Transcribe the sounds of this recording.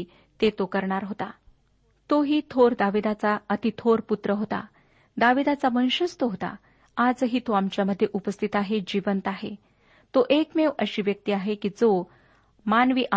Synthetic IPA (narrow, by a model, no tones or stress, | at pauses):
t̪et̪okəɾɳaɾɦot̪a | t̪oɦiːt̪ʰoɾd̪aʋid̪at͡saət̪it̪ʰoɾput̪ɾəɦot̪a̰ | d̪aʋid̪at͡saʋəñɕəst̪əɦot̪a̰ | ad͡zɦiːt̪oamt͡ɕjaməd̪ʱːjeʔupəst̪ʰit̪aɦed͡ʑiʋənt̪aɦḛ | t̪oʔekmeʋəɕiːʋjək̚t̪iaɦekiːd͡zo | manʋiːʔa